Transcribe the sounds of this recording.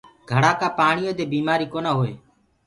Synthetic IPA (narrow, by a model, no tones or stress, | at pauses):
ɡʱəɽaːkaːpaːɳɪjõːd̪eːbiːmaːɾiːkoːnaːɦoːḛː